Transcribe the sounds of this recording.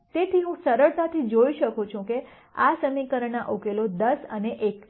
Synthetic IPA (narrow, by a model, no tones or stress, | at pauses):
t̪et̪ʰiɦũsəɾəɭt̪at̪ʰid͡ʒoiʃəkot͡ʃʰũke | asəmikəɾəɳaʔokelod̪əsəneʔek